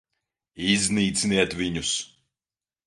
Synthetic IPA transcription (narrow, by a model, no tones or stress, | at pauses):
izʲniːt̪sniɛt̪vʲiɲus